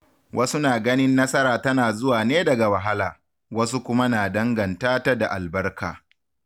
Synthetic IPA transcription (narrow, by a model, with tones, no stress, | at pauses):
wʔɐ˦su˦naː˨ɡɐ˦nɪ˦nːɐ˦sɐ˦ɾaː˨tɐ˦naː˨zʊ˦waː˨neː˦dɐ˨ɡa˨wɐ˨ɦa˦laː˨ | wɐ˦s̬u˦kʷʊ˦ma˦naː˨dɐ˦ŋɡɐ˨ntaː˦ta˦da˨ʔa˨lbɐ˦rka̰ː˨